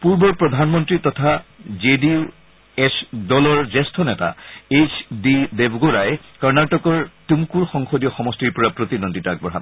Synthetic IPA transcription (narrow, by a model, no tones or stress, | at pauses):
puɹbɔɹpɹɔd̪ʱanmɔntɹitɔtʰazedi | esdɔlɔɹzɛstʰɔnɛta̰et͡ʃdidebʱɡoɹaj | kɔɹnatɔkɔɹtumkuɹxɔŋxodijɔxɔmɔstiɹpɔɹapɹot̪inonditaɡ̚bɔɹɦa̰